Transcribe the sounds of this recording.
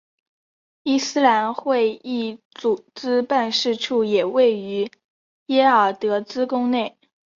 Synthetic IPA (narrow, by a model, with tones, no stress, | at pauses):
i˥sɹ̩˥la˧˥nxwe˥˧ɪi˥˩t͡su˨˩t͡sɹ̩˥pa˥˧nʂɻ̩˥˧ʈ͡ʂʰu˥˩jɛ˨˩we˥˩ɪy˧˥ | jɛ˥ə˞˨˩t̪ɤ˧˥t͡sɹ̩˥kʊ˥ŋne˥˩ɪ